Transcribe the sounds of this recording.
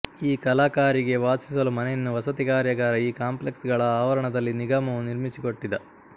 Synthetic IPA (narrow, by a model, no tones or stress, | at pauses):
iːkɐlaːkaːɾiɡe̞ʋaːsi̥s̬ɐlumɐnejɐnːuʋɐsɐt̪ikaːɾjɐɡaːɾɐiːkaːmple̞ksɡɐɭɐaːʋɐɾɐɳɐd̪ɐlːiniɡaːmɐʋuniɾmisiko̞ʈːid̪ɐ